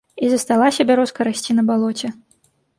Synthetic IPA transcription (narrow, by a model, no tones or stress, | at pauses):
izɐst̪alˠasʲɐbʲaɾɔskɐɾasʲt͡sʲinɐbalˠɔt͡sʲɛ